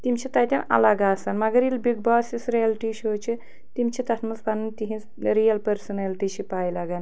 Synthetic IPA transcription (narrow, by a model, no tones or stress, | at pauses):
t̪imʲt͡ʃʰit̪ɐjt̪ʲɐnɐ̰lɐɡaːsɐnmɐɡɐɾilbiɡ̚baːsisɾijɐlʈiʃoːt͡ʃʰi | t̪imt͡ʃʰit̪ɐtʰmɐspɐnɨnt̪iɦins | ɾijɐlpɐɾsɐnelʈiːʃʰipaːjlɐɡɐn